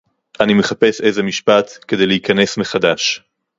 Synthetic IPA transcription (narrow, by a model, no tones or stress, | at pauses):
ʔanime̞χape̞se̞jzemiʃpat̪ke̞d̪e̞jleikane̞smeχad̪aʃ